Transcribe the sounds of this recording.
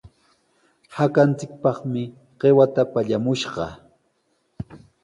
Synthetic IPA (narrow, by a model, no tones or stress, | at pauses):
hakant͡sɪk̚pɑχmɪ | ɢ̥ewat̪apaʎamʊʃɢɑ̰